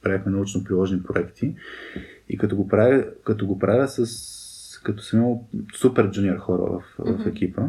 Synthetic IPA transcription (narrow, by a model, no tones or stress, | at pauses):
pɾavixmɛnɐut͡ʃnopɾilˠɔʒnipɾoɛkt̪ʰi | ḭkɐt̪ɔɡopɾavʲəkɐt̪ɔɡopɾavʲəsəskɐt̪ɔ̥sɐmiməlˠsupɛɾd͡ʒuniɛɾxɔɾə̰və̰fvɐfɛk̟ʲipə